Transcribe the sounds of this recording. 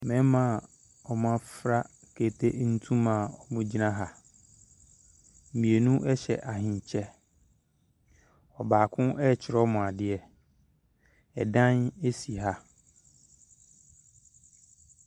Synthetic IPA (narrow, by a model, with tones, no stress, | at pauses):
mɛ̃˦mã˨ | ɔ˨m˦ã˦fɾa˦ | kʰe˨tʰe˦n̩˦tʰũ˦mã˨ɔ˨bʊ̃˦d͡ʑi˦nã˦ɦa˨ | m̩˨mĩ˨e˨nũ˦ʔɛ˦ɕɛ̰˨ʔa˨hɪ̃˨ɲ˨t͡ɕʰɛ˦ | ɔ˨baː˨kʰʊ̃˦ɛ˦˨t͡ɕʰɪ˨ɾɔ˦mʊ̃˨a˨dɪ˦ɛ˨ | ɛ̰˨dã˦ne˦si˨ɦa˦